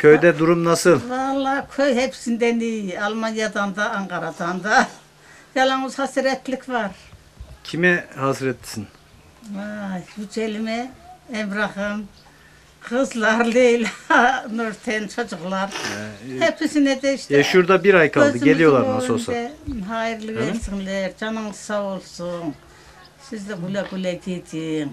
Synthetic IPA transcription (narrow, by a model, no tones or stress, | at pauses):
cʰøjd̪ɛd̪uɾumnasɯlˠvalˠːaːkʰøjɦɛpʰsind̪ɛnijalˠmanjad̪and̪aːŋkʰaɾad̪and̪a | jalˠanuzhasiɾɛt̪ʰlʲikʰvaɾ | cʰimɛhasɾɛt̪ʰːi̥sin | ajjyt͡ʃʰelimɛɛmbɾaχɯm | hɯzlˠaɾlelʲnøɾt̪ʰɛnt͡ʃʰod͡ʒuχlˠaɾhɛpʰːisinɛd̪ɛiʃt̪ɛʃʃuɾd̪abiɾajkʰaøzɯɟelʲijolˠaɾasosɛɦajiɾlʲˠɯɡɛnsinlɛɾd͡ʒanɯŋɯzsaolˠsun | sizd̪ɛɡulʲaɡulʲɛɡʰet̪ʰim